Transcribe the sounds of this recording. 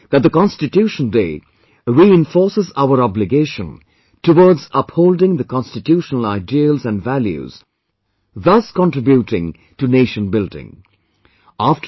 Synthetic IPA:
ðæt̚ðəkɑ̃nstɪtjuʃə̃ndḛː | ɾiɪ̃ɱfɔɹsəzaʊəɾɑblɪɡeʃə̃n | təwɔɹdzʌphoʊldɪ̃ŋðəkɑ̃nstɨtjuʃənəl̩aɪdiəlzæ̃nvæljṵz̥ | ðʌskɔ̃ntɹ̥ɪbjuʈɪ̃ŋ | tuneːʃə̃nbɪldɪ̰̃ŋ | æf

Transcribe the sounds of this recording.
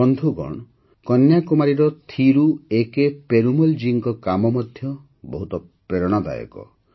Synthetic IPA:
ɔnd̪ʱuɡɔ̰ɳ̃ | kɔnjakumaɾiɾɔt̪ʰiɾuekepeɾumuld͡ʒiŋkɔkamɔmɔd̪ʱjɔ | bɔɦut̪ɔ | pɾeɾɔɽ̃ɔd̪a̰jɔ̰kɔ̰

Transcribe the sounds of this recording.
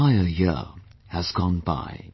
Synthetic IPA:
aɪəjɪ̰ɹəzɡɔ̃nba̰ɪ

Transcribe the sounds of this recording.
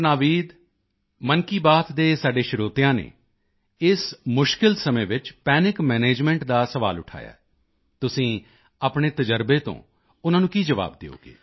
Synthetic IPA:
naːʋiːd̪ | mənkiːbaːt̪d̪eːsaːɖeːʃɪɾoːt̪ɪjãːnḛː | ɪsmʊʃkɪlsəmẽːʋɪt͡ʃpɛːnɪkmɛːneːd͡ʒmɛ̃ːɳʈd̪aːsəʋa̰ːlʊʈʰa̰ːja̰ː | t̪ʊsĩː | aːpɳeːt̪əd͡ʒəɾbeːt̪õ̰ː | ʊnãːnũːkiːd͡ʒəʋa̰ːb̚d̪eo̰ːɡḛː

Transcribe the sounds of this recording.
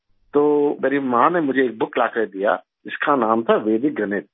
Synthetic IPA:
t̪oːmeːɾimaãnemʊd͡ʒʱeeːk̚bʊklaːkʰɾed̪ija̰ | ɪskanaːmt̪ʰaʋeːd̪ɪk̚ɡɐneːt̪̚

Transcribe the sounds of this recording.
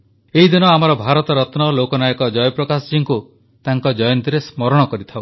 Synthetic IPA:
eɦid̪inɔamɔɾɔbʱaɾɔt̪ɔɾɔt̪nɔlokɔnajɔkɔd͡ʒɔjɔpɾɔkasɔd͡ʒiŋku | t̪aŋkɔd͡ʒɔjɔnt̪iɾesmɔɾɔɽ̃ɔkɔɾit̪ʰao

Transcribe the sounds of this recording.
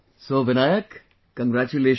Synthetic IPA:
soːʋɪnaːjəkː | ɐ̃ŋɡɾaːt͡ʃuleːʃ

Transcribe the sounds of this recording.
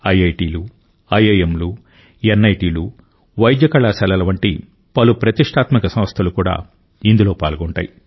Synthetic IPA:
ɐjɐjʈiːlu | ɐjejemlu | enːɐjʈiːlu | ʋɐjd̪jɐkɐɭaːsɐlɐlɐʋɐɳʈḭ | pɐlupɾɐt̪iʂʈaːt̪mikɐsɐ̃mɐst̪ʰɐlukuːɽa̰ː | ind̪ulo̞ːpa̰ːlɡɔɳʈa̰ːji

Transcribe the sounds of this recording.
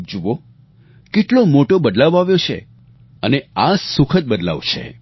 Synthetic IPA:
d͡ʒuʋo | keʈlomoʈobəd̪laʋaʋjot͡ʃʰḛ | əneasukʰət̪̚bəd̪la̰ʋt͡ʃʰḛ

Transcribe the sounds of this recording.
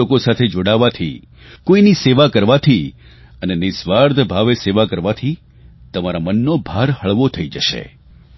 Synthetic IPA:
okosat̪ʰed͡ʒoɽaʋat̪ʰḭ | koiniseʋakəɾʋat̪ʰi | ənenɪsʋaɾd̪ʱbʱaʋeseʋakəɾʋat̪ʰi | t̪əmaɾamənːobʱaɾhəɭʋot̪ʰəid͡ʒəʃḛ

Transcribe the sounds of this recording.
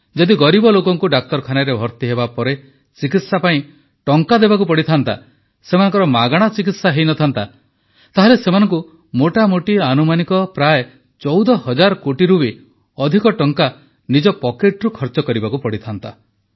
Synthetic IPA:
d͡ʒɔd̪iɡɔɾibɔlokɔŋkuɖak̚t̪ɔɾkʰanaɾebʱɔɾt̪iɦebapɔɾe | t͡ʃikit̪sapaĩ | ʈɔŋkad̪ebakupɔɽit̪ʰant̪a̰ | semanɔŋkɔɾɔmaɡaɽ̃at͡ʃikit̪saɦejnɔt̪ʰant̪a | t̪aɦelesemanɔŋku | moʈamoʈianumanikɔpɾae | t͡ʃɔwd̪ɔhɔd͡ʒaɾɔkoʈiɾubi | ɔd̪ʱikɔʈɔŋka | nid͡ʒɔpɔkeʈɾukʰɔɾt͡ʃɔkɔɾibakupɔɽit̪ʰant̪a

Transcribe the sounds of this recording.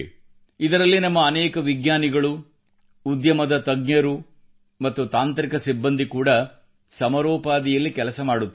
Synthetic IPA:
id̪ɐɾɐlːinɐmːɐːnɛːkɐʋiɡɲaːniɡɐɭu | ud̪jɐmɐd̪ɐt̪ɐɡnjɐɾu | mɐt̪ːut̪aːnt̪ɾikɐsibːɐnd̪ikuːɽɐ | sɐmɐɾɔːpaːd̪ijɐlːikɛlɐsɐmaːɽut̪ː

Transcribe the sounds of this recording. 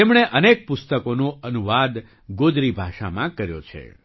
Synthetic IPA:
emɳ̃eʔənek̚pʊst̪əkonoənuʋad̪ | ɡod̪ɾibʱaʃa̰mãkəɾjo̰t͡ʃʰḛ

